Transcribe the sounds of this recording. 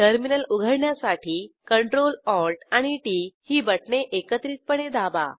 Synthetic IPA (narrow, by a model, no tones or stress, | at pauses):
ʈəɾminəluɡʱəɽɳjasaʈʰiːkəɳʈɾolɔɾʈaɽ̃iʈihiːbəʈɳeʔekət̪ɾiːt̪̚pəɽed̪aba̰